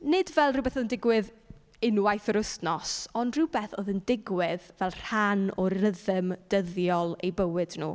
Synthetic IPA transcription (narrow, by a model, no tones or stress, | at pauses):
nɪdvɛlˠrɪwbeθɔðəndɪɡwɪð | ɪnwajθɾʊstnɔsɔndrɪwbɛθoðəndɪɡwɪðvɛlˠr̥anɔrəðəmd̥əðjɔlˠejbəwɪdnṵː